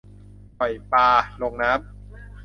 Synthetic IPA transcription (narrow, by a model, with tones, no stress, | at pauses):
pɔ˨˩jpaː˧lo˧ŋna˦˥p̚